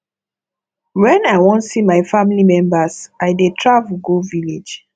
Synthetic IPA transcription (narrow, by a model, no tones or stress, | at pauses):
wɛ̃najwɔ̃ntsimaɪfamilimɛ̃mbasajdetʰɹavuɡoviled͡ʒ